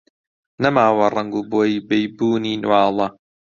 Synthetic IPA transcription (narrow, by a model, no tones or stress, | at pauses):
nɐmaːwɐrˤɐŋɡuːboːjibejbuːniːnwaːlˠɐ